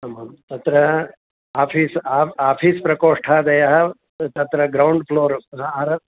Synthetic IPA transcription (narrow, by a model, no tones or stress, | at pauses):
ɐmɐmt̪ɐt̪ɾɐ | aːpʰiːsaːaːpʰiːspɾɐkoːʂʈʰaːd̪ɐjɐɦɐ̆ | t̪ɐt̪ɾɐɡɾɐwɳɖpʰloːɾaːɾɐ